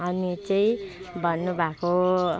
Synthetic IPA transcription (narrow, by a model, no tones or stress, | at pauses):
ʌnit͡saĩ | bʱʌnːubʱako